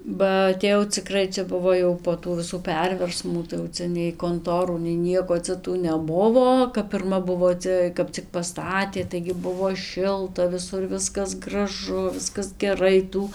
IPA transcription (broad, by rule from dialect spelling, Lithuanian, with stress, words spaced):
bɐ ɐtʲeːˈjɛʊ t͡sʲɪˈkrɐɪ ˈt͡ʃʲɛ ˈbʊʋoː jɛʊ poː ˈtuː ʋʲɪˈsuː ˈpʲɛrʲʋʲɛrsmuː tɐɪ jɛʊ ˈt͡sʲɛ nʲɛɪ koːnˈtoːruː nʲɛɪ ˈnʲiɛkoː ˈt͡sʲɛ tuː nʲɛˈbʊʋoː kɐp pʲɪrˈmɐ ˈbʊʋoː ˈt͡sʲɛ ˈkɐp t͡sʲɪk pɐˈstɑːtʲeː tɐɪɡʲɪ ˈbʊʋoː ˈʃʲɪlˠtɐ ʋʲɪˈsʊr ˈʋʲɪskɐs ɡrɐˈʒʊ ˈʋʲɪskɐs ɡʲɛˈrɐɪ ˈtuː